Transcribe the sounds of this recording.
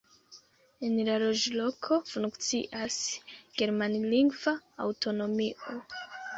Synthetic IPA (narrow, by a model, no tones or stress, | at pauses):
enlalo̞d͡ʒlo̞kʰo̞fuŋkt͡sḭʔasɡ̥e̞ɾmanliŋɡva̰ːwto̞no̞miʔo̞